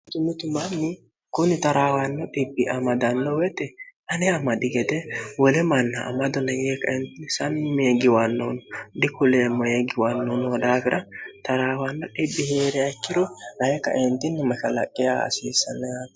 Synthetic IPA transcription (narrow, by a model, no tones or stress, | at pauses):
t̪ʊmːɪt̪ʊmɐnːɪ | kʊnːɪt̪ɐɾaːwanːɔᶑɪbːɪʔɐmɐd̪ɐnːɔwɛt̪ːɛɐnɛɐmɐd̪ɪɡɛt̪ɛwɔlɛmɐnːɐ̰ːmɐd̪ɔnɐjeːkːɐɛnt̪ɪnɪsɐmːeɡɪwanːoːnɔd̪ɪkʊleːmːɔjeɡɪwanːonɔwɔd̪aːfɪɾʔɐt̪ɐɾaːwanːɔᶑɪbːɪheːɾɛɐkːɪd̪ɔnɐjɛkːɐ̰ʔɛnt̪ɪnːɪmɐʃɐlɐ̰kʼːɪjaːɐ̰siːsːɐnːɐja